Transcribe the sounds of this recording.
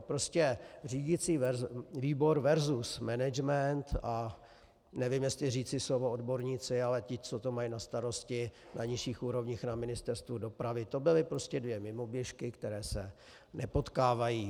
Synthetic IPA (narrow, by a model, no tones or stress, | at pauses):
pɾoscɛr̝iːɟɪt͡siːvɛviːbo̞ɾvɛɾzusmɛnɛd͡ʒmɛnt̪a | nɛvɪmjɛst̪lɪriːt͡sɪslovoodbo̞ɾɲiːt͡sɪalɛcɪt͡sot̪omajinast̪aɾo̞scɪ | naɲɪʃiːxʔuːɾo̞vɲixnamɪnɪst̪ɛɾst̪vudo̞pɾavɪt̪o̞bɪlɪpɾo̞scɛdvjɛmɪmo̞bjɛʃkɪkt̪ɛɾɛːsɛ | nɛpot̪kaːvajiː